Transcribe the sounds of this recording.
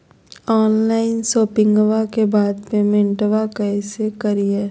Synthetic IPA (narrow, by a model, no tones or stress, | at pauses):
ɔːnlaːɪnsoːpɪ̃ŋɡʋakebaːd̪pemɪ̃ɳʈʋakɛsekəɾijəɾ